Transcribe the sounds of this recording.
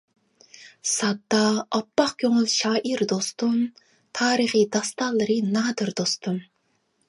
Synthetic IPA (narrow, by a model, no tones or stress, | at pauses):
sɑd̪ːɑɑpːɑχkʲʰøŋʊlˠʃɑːʔiɾd̪ost̪un | t̪ʰɑːɾəχid̪ɑst̪ɑlˠːɨɾɨnɑːd̪ɨɾd̪ost̪un